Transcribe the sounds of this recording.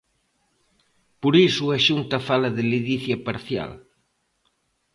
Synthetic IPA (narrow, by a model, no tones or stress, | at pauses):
poɾisuaʃunt̪ɐfalɐðɪliðiθjapaɾθja̰l